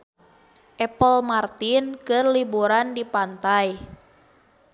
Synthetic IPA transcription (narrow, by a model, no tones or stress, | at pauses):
ʔɛpəlmart̪inkɨrlibuɾandipant̪aj